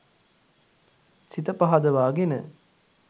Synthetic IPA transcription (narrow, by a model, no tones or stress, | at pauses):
sit̪əpaɦad̪əʋaːɡenə̰